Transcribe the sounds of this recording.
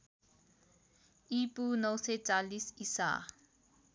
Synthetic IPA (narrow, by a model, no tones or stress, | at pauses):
ʔipunosed͡ʒalisisa̰ː